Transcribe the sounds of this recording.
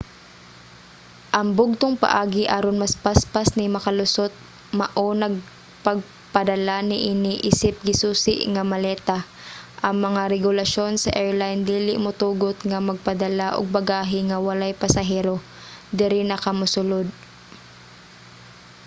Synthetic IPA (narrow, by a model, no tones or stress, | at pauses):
ʔɐŋbʊɡ̚t̪oŋpɐ̰ʔaːɡɪʔaɾonmɐspaspasnɪmɐkɐlʊsot̪̚ | mɐʔonɐɡ̚ | pɐɡ̚ | pɐd̪ɐlanɪʔinɪʔisɪp̚ɡɪsuːsɪ̰ʔŋɐmɐlɛːt̪a | ʔɐŋmɐŋaɾɛɡʊlɐʃo̞nsɐ̰ʔɛɹlajnd̪iːlɪʔmʊt̪uːɡot̪̚ŋɐmɐɡ̚pɐd̪ɐlaʔo̰ɡ̚bɐɡaːɦɪŋɐwɐlajpɐsɐɦɛːɾo | d̪ɪɾɪnɐkamʊsʊlod̪̚